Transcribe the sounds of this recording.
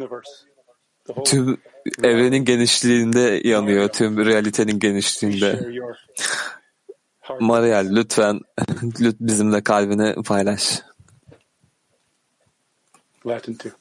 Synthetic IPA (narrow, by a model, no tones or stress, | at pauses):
t̪ʰym | ɛvɾeninɟe̞niʃlʲiːnd̪ɛjanɯjot̪ʰymɾejalʲit̪ʰe̞ninɟe̞niʃlʲiːnd̪ɛ | maɾijalʲːyt̪fænlʲyt̪bizimlʲɛkʰalʲbinɛpʰajlˠaʃ